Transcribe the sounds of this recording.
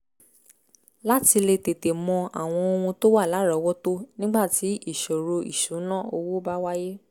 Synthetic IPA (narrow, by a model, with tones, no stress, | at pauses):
la˦ti˧le˧te˨te˨mɔ̃˧a˨w̃ɔ̃˧o˧wũ˧to˦wa˦˨la˨˦ɾɔ˨˦wɔ˦to˦nĩ˦ɡ͡ba˦˨ti˨˦i˦˨ʃo˨ɾo˧ḭ˨ʃũ˨˦nã˦˨o˧wo˦ba˦wa˦je˦